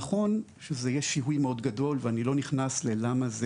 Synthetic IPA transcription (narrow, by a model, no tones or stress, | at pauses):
χo̞n | ʃezejeʃiɦujmeo̞dɡado̞lveanilo̞niχnaslelamaze